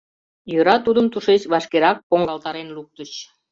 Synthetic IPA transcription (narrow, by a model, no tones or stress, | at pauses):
jøɾɑt̪ud̪əmt̪uʃet͡ɕβɑʃkeɾɑk̚poŋɡɑlt̪ɑɾenluk̚t̪ət͡ɕ